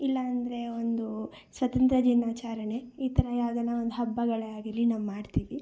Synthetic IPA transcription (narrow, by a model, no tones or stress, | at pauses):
ilːɐːnd̪ɐɾe̞o̞nd̪u | sʋɐt̪ɐnt̪ɾɐd͡ʒinaːt͡ʃaːɾɐɳeiːt̪ʰɐɾɐjaːɡɐnaond̪uɦɐbːɐɡɐɭeaːɡɐlːinaːʋumaːɖt̪iːʋi